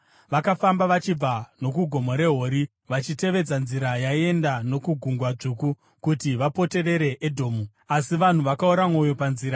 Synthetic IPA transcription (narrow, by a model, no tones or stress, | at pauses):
ʋakafambaʋat͡ʃib͡vano̞kuɡʱo̞moɾe̞ɦo̞ːɾi | ʋat͡ʃite̞ʋe̞d͡zanziɾajaie̞ndano̞kuɡʱuŋɡwad͡ʐuːku | kutiʋapo̞te̞re̞ɾe̞ʔedʱo̞ːmu | asiʋan̤uʋakauɾamo̞jo̞panziːɾa